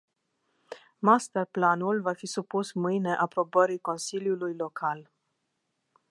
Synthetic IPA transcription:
mast̪ərplanulvafisupusmɨjne̞ʔapɾo̞bəɾiko̞nsiljulujlo̞kʰal

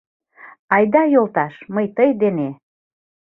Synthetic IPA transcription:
ɑjd̪ɑjolt̪ɑʃməjt̪əjd̪ene

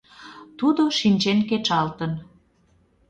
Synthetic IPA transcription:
t̪ud̪oʃinʲt͡ɕenket͡ʃɑlt̪ən

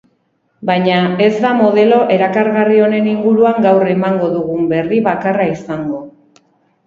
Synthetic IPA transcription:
baɲae̞zd̪amo̞ð̞e̞lo̞ʔe̞ɾakaɾɣario̞ne̞niŋɡuɾuaŋɡawre̞maŋɡo̞ðuɣumbe̞riβakaraisaŋɡo̞

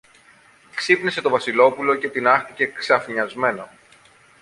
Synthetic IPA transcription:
ksipnese̞t̪ovɐsilo̞pulo̞ce̞t̪inɐxθice̞ksɐfɲɐzme̞nɐ

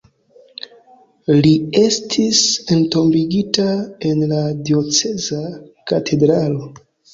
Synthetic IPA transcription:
lie̞stʰisento̞mbiɡitae̞nladio̞t͡se̞zakatʰe̞dɾalo̞

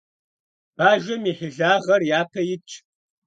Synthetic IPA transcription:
b̥aːʒʷɐmiːħɪɮaːʁɐrjaːpʰɐjɪt͡ʃʰʼ

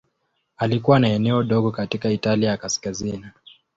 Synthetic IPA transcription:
alikuwanaɛnɛɔɗɔɠɔkatikaitaliajakaskazini

